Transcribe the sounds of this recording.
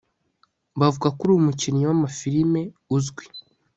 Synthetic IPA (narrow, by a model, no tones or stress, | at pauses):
bavuɡakuɾuumucinɲowamafiɾime̞ | uzɡwi